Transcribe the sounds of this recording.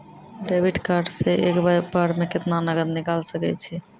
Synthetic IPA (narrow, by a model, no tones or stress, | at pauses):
ɖebiʈkaɾɖseʔekbbaɽmeket̪nanəɡəd̪nikalsəkɛ̰t͡ʃʰi